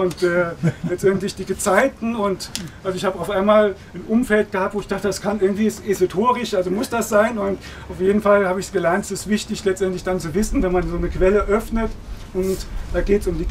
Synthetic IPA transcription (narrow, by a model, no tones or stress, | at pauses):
ʔʊntɛːlɛt͡stʔɛntlɪçd̥iɡət͡saɪtn̩ʊntʔalzoɪçhaːbəaʊfʔaɪnmaːl | anʔʊmfɛlt̚ɡ̥əhaːp̚tv̥oːɪçd̥aːχtədaskʰanʔɪɐɡŋ̩tv̥iːsʔezotʰoːʁɪʃʔalzomʊsd̥asz̥aɪnʊnt | ʔaʊfjeːdn̩falhaːbəɪçsɡ̥əlɛɐntɛsɪstv̥ɪçtɪçlɛt͡stʔɛntlɪçd̥ant͡suvɪsn̩vɛnmanzoːnəkv̥ɛləʔœfnətʔʊntd̥aːɡeːtsʊmdiː